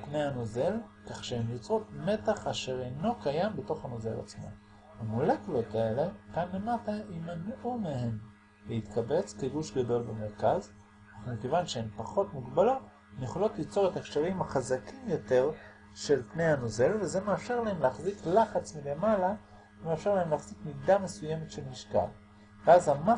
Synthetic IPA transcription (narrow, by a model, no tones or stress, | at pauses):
pnejhano̞ze̞lkaχʃehemjot͡sʁo̞tme̞taχaʃe̞ʁe̞jno̞kajambe̞to̞χhano̞ze̞la̰t͡smo̰ | amuleklo̞tae̞le̞kanle̞mataʔimanumehe̞m | lehit̪kabe̞t͡skeɡuʃɡado̞lbeme̞ʁkaz | aχumikevanʃeempaχo̞tmuɡbalo̞t | neχolo̞tlit͡so̞ʁetakʃaʁimaχazakimjo̞te̞ʁ | ʃe̞lpne̞jhano̞ze̞lveze̞meafʃe̞ʁlahemleaχziklaχat͡smile̞mala | vemeafʃe̞lahemleaχz̥ikmidame̞suje̞metʃe̞lmiʃka̰l | veazama